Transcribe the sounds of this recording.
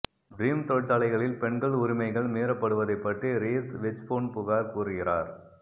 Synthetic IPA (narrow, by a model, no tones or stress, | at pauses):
ɡɾiːmt̪ɔɭt̪ɐlɐɪɣɐɭɪlpɛɳɡɐɭʊɾɪmɐɪɣɐɭmeːɾɐpːɐɽɯʋɐðɐɪpːɐʈriɾeːt̪ʋɛt͡ʃfoːnpʊɣaːɾkuːrɯɣɪraːɾ